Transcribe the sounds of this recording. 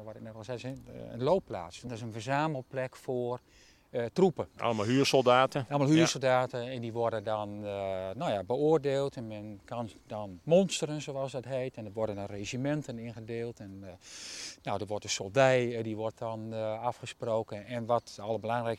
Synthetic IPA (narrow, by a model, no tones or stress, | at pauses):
ʋɔɪk̚nɛtɛsɛə̰nloːpːla̰ːtsdɪs̬ənfərzaːməlˠt̚plɛkfoər | trupəʔa̰ləmalˠɦyːsolˠdaːtəɛlˠəmalˠhyːsolˠdaːtəɛndiʋɔrdəndɔnnojabəoərdeːlˠtɛnmɛnkandɔnmɔnstərənzowɑlˠsdɔtɦeːtɛndəʋɔrdəndɔnrezimɛntənɪnɣədeːlˠtɛnː | owdəʋɔrtəsolˠdɛjdiʋɔrt̚ɔnafxəsproːkənɛnʋɔtɔlˠəbəlaŋrɛk